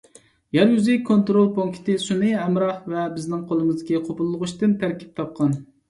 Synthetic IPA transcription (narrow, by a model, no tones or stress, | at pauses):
jɛɾɡyzɪkʰːont̪ɾolˠpʰoŋkʲʰɪ̥t̪ɪsunɨɛmɾɑhvɛbɪznɪŋqʰolˠɨmɨzd̪ɪkʲiqʰopʊlˠːʊʁʊʃt̪ɪnt̪ʰæɾkʲi̥p̚t̪ʰɑp̚qʰɑn